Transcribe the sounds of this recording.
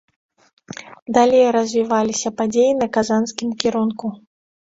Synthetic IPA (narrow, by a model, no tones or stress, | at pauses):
d̪alʲejɾɐzʲvʲivalʲisʲɐpad͡zʲejinɐkazanskʲimkʲiɾunku